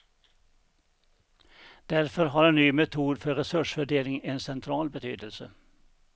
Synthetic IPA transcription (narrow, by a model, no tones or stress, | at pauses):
d̪̥æɾfɔɾɦɑːɾeːnnyːmɛt̪ʰuːd̪fɔɾɛsʉʂfœɖeːlɪŋeːnsɛnt̪ʰɾɑːlbət̪ʰyːd̪əlsə̰